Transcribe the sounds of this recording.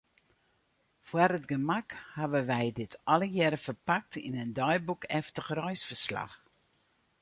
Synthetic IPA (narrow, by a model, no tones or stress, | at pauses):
fwarətɡəmakhaʋəʋɛjdɪtʰɔləjɛɾəfərpak̚tʰḭnəndɔjbukʰɛftəxrɔjsfərsla̰x